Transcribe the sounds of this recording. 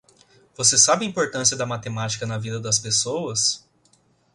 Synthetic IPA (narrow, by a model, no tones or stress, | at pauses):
v̥osesabɪɐĩpoɾt̪ɐ̃siɐd̪ɐmat̪emat͡ʃi̥kɐnɐvid̪ɐd̪ɐspesowɐs